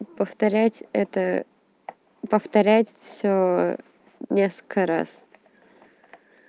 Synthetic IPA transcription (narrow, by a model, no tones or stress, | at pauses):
pəft̪ɐɾʲætʲɛt̪ə | pəft̪ɐɾʲætʲfsʲo | nʲeskə̥kəɾa̰s